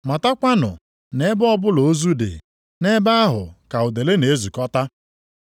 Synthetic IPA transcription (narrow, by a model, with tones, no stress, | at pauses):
ma˨ta˦kʷa˦nʊ̰˨ | ne˦bɔ˦bʊ˦lo˨o˦zu˦dḛ˨ | ne˦ba˦a˦ɦʊ̰˨ka˨ʊ˨de˨le˦ne˨˦zu˨kɔ˦ta˦